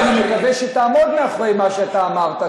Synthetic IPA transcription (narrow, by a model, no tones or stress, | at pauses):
nimekaveʃet̪aːmo̞d̪meaχʁejmaʃeat̪aːmaʁt̪a